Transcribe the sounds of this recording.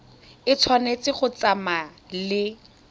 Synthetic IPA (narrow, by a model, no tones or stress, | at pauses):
ɪt͡sʰwanet͡sɪχʊt͡sama | lɪ